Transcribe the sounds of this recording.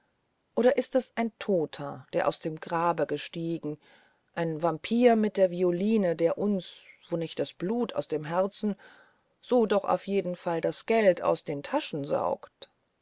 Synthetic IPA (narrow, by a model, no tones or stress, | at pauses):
ʔoːɾɐʔɪstɛsʔaɪntʰoːtʰɐd̥eːɐʔaʊsd̥eːmɡʁaːbəɡəʃtiːɡŋ̩ | ʔaɪnvampʰiːɐmɪt̚d̥eːɐvioliːnədeːɐʔʊnsv̥oːnɪçt̚d̥asb̥luːtʰa̰ʊsd̥eːmɦɛɐt͡sn̩ | z̥oːdɔχa̰ʊfjeːdn̩faldasɡ̥ɛltʰa̰ʊsd̥eːntʰaʃn̩za̰ʊkt